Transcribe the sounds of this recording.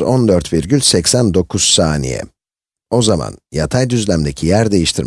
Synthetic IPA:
ond̪øɾt̪biɾɟylʲsɛcsænd̪o̞kʰuz̥saːnḭjɛ̰ | o̞zama̰njat̪ʰajd̪yzlʲæmd̪ecʰijæɾd̪e̞jiʃt̪ʰiɾ

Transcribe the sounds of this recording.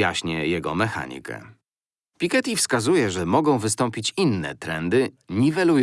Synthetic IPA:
jaɕɲɛjɛɡɔmɛxa̰ɲḭkɛ̰ | pʲikɛt̪ʲifskazujɛʐɛmɔɡɔ̃w̃vɘs̬t̪ɔ̃mpʲit͡ɕinːɛ̰t̪ɾɛnd̪ɘɲivɛlu

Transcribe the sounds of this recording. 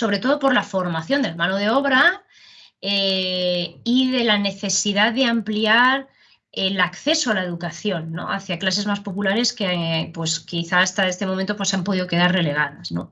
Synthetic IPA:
so̞βɾe̞t̪o̞ð̞o̞po̞ɾlafo̞ɾmaθjo̞nd̪elamãnoð̞e̞o̞β̞ɾa | e | iðe̞lane̞θe̞siðaðeampliaɾ | elakθe̞soalae̞ð̞ukaθjo̞nːo̞̰a̰θjaklase̞zmaspo̞pulaɾe̞skepwe̞skiθaːst̪aest̪emo̞mẽnt̪o̞pwosampo̞ð̞iðoke̞ð̞arre̞le̞ɣ̞aðazno̞̰

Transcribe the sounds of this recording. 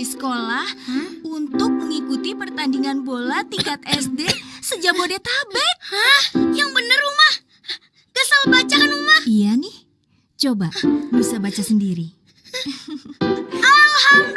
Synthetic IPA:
isə̥kolahunt̪ʊk̚məŋikut̪ipərt̪andiŋanbolat̪ikat̪̚ɛsdesəd͡ʒabodet̪abɛt̪̚ahjaŋbənərumah | ɡasalbat͡ʃakanumahijanɪh | t͡ʃobamusabat͡ʃasəndiɾi | alalɦam

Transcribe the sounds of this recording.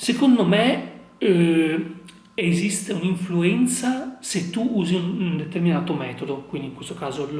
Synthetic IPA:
sekond̪ome | ezist̪euniɱfluɛnt̪saset̪ːuuːziund̪et̪erminaːt̪omɛːt̪od̪okwind̪iŋkwest̪okaːzo

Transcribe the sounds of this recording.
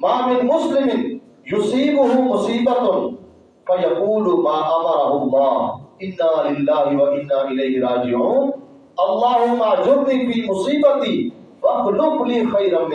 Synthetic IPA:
mãːmɪnmʊslɪmɪn | jʊsiːbʊɦʊmʊsiːbɐt̪ʊn | fɐjɐquːlʊmaːʔɐmɐɾɐɦʊmaːɪnːaːlɪlːaːɦɪwɐʔɪnːaːʔɪlɐːɦɪɾaːd͡ʒɪʕuːn | ɐlːɑːɦemaːd͡ʒʊɾnifiːmʊsiːbɐt̪i | ʋɐklʊklĩːxɐiɾɐn

